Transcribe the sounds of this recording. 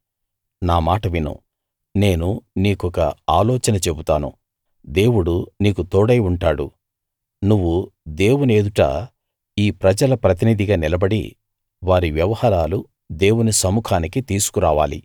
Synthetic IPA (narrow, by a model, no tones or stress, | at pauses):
naːmaːʈɐʋinṵ | ne̞ːnuniːkɔkɐaːlɔːt͡ʃɐnɐt͡ʃe̞but̪aːnṵ | d̪e̞ːwuɽuniːkut̪ɔːɽɐjuɳʈaːɽṵ | nuʋːud̪e̞ːwune̞ːd̪uʈa̰ː | iːpɾɐd͡ʒɐlɐpɾɐt̪̬inid̪ʱiɡaːnilɐbɐɽḭ | ʋaːɾiʋjɐʋɐhaːɾaːlu | d̪e̞ːwunisɐmuːkʰaːnikit̪iːsu̥kuɾaːʋa̰ːlḭ